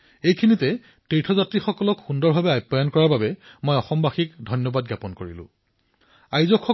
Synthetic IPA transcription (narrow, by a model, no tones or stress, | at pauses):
ejkʰinitɛ | tejtʰɔzatɹixɔkɔlɔkxundɔɹbʱabɛajpːɔjankɔɹaɹbabɛmojɔxɔmbaxikdʱɔjnjɔbad̚ɡjapɔnkoɹilʊ̰̃ | ajzɔkʰːɔ